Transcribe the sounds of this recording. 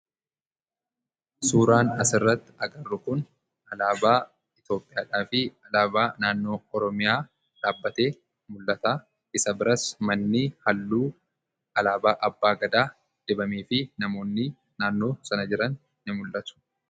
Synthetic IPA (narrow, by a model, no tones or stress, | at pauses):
suːɾaːnɐsɪrːɐt̪ːɪ̥ɐɡɐrːʊkʊn | ɐlaːbaː | ɪt̪jo̞ːpʼːɪjaːᶑaːfɪɐlaːbaːnaːnːo̞ːɔɾɔmɪjaː | ᶑaːbːɐt̪e̞ː | mʊlːɐt̪aː | ɪsɐbɪɾɐsmɐnːɪhɐlːuː | ɐlaːbaːʔɐbːaːɡɐd̪aː | d̪̥ɛbɐmiːfɪnɐmo̞ːnːɪ | naːnːo̞ːsɐnɐd͡ʒɪɾɐnː | ɪmʊlːɐt̪ʊ̥